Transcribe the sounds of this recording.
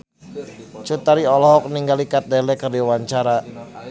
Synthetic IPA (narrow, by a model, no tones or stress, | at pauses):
t͡ʃut̪aɾiɔlɔɦɔk̚niŋɡalikat̪̚dɛlɛkərdiwaɲt͡ʃaɾa